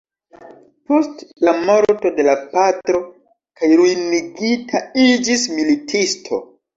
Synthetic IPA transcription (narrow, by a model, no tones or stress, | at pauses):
po̞stlamo̞ɾto̞de̞lapatɾo̞ | kajɾujniɡitʰaid͡ʒismilitʰistʰo̞̰